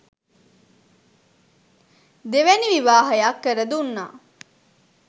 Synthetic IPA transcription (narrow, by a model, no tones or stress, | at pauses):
d̪eʋæniʋiʋaːɦɐjakːəɾəd̪unːa̰ː